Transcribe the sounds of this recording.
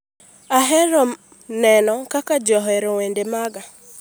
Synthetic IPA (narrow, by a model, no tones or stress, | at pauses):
aɦɛɾɔ | nɛnɔkakad͡ʒɔɦɛɾɔwendemaɡa